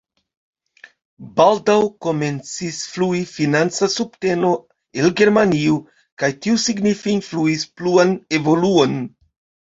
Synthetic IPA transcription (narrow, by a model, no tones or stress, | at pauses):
baldawko̞me̞nt͡sisfluifinant͡sasupte̞no̞ | elɡe̞ɾmaniu | kajtiusiɡnifinfluispluane̞vo̞luo̞n